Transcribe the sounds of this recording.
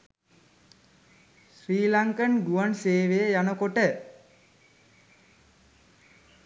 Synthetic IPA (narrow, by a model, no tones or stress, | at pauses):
sriːlaŋkənɖuanseːʋejəjanəkoʈə